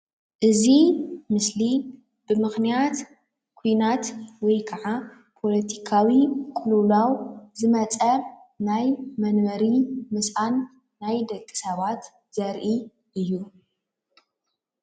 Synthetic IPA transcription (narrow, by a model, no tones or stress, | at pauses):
ʔɨzimɨsli | b̥ɨmɨxnijat̪ | kʰujnat̪wɔjkʰɐʕa | pʰo̞lɐt̪ʰikʰawikʼʊlulawzɨmɐt͡sʼɐnajmɐnmɐɾimɨsʔanː | ajd̪ɐkʼːɨ̥sɐβat̪ | z̥ɐɾʔi | ʔɨjːu